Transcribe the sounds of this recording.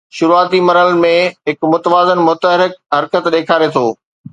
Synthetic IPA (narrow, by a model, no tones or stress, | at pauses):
ʃʊɾuaːt̪imɐɾəlmẽɦɪkmʊt̪əʋaːzənmʊt̪əɦɾɪk̚ɦɐɾkət̪ɗeːkʰaːɾet̪ʰoː